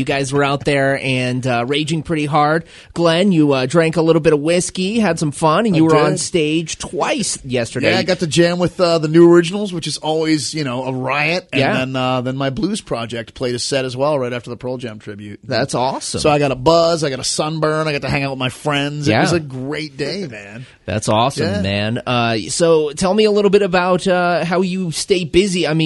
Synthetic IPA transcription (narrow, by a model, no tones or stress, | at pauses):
jɨɡaɪzwə˞aʊt̪̚ðə˞ɨ̃nʌɹeɪd͡ʒɪ̃ŋpʰɹ̥ɪɾiɦɑɹd̚ | ɡ̥lɛ̃njɨʌdɹæ̃ŋkəlɪɾl̩ˠbɪɾʌvwɪskiɨd̥sʌ̃mɱfʌ̃nɨ̃n̩jɨwə˞ə̃nsteɪd̥ʒ̥tʰw̥aɪsjɛstə˞deɪaɪɡɑtɨd͡ʒæ̃mwɨðʌðɨnʉə˞ɪd͡ʒɨn̩l̩ˠzwɨt͡ʃɨzɔlˠwizjɨñoʊəɹaɪɨt̚ɨj̃ænðɨ̃nʌðɨ̃nmaɪbluz̥pʰɹ̥ɑd͡ʒɛk̚t̚pʰl̥eɪɾɨz̥sɛɾɨzwɛlˠɹaɪɾæftə˞ðəpʰɜ˞lˠd͡ʒæ̃mtʰɹ̥ɪbjʉt̚ðætsɔsə̰̃soʊaɪɡɑɾəbʌzaɪɡɑɾəsʌ̃nbɜ̃˞naɪɡɑtɨhæ̃ŋaʊt̚maɪfɹɛ̃ndzɨtæʌzɨɡɹeɪt̚d̥eɪmæ̃n | ðæ̰tsɔsæmːæ̃nʌsoʊtʰɛlˠmiəlɪɾl̩ˠbɪɾɨbaʊt̚ʌɦaʊjɨsteɪb̥ɪziaɪmĩ